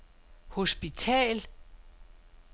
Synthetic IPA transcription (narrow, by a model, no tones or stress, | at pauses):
ho̝sb̥it͡sʰɛ̰ːl